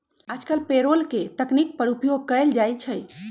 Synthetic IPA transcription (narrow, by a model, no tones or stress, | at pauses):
ad͡ʒkəlpeɾolket̪əknik̚pəɾupjoɡ̚kəld͡ʒajt͡ʃʰəj